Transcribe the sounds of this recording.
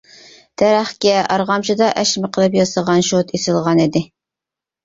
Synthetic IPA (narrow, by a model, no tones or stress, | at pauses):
t̪ʰæɾæχkʲɛɑɾʁɑmt͡ʃɨd̪ɑʔɛʃmɪqʰəlˠɨp̬jɑsəʁɑnʃot̪isɨlˠʁɑnid̪ɪ